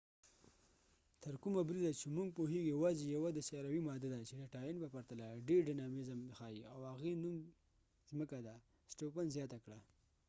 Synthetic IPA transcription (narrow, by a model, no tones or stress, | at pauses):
t̪əɾkumabɾid̪at͡ʃemuŋɡ̚poɦeɡjawɑzejawad̪əsjɾawimɑd̪ad̪at͡ʃedaʈɑjinbapaɾt̪alaɖeɾɖanɑmizamxɑjiawhaɣenum | zməkad̪a | sʈopanzjɑt̪akɽa